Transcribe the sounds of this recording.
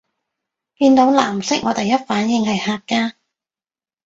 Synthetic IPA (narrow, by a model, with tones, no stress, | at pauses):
kiː˧nt̪o˨˥wlaː˨˩msɪ˥k̚ŋɔː˨˧t̪ɐ˨jɐ˥t̚faː˨˥njɪ˨˧ŋhɐ˨jhaː˧kkːaː˥